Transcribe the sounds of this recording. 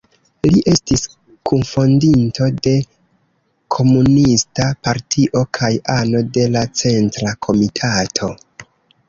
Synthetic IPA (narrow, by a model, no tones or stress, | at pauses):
liʔe̞stis | kunfo̞ndinto̞de̞ | kʰo̞munistapaɾtʰiʔo̞kʰajano̞de̞lat͡se̞ntɾakʰo̞mitʰatʰo̞